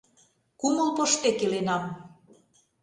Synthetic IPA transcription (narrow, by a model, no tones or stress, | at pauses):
kumə̆lpoʃt̪ekelenɑm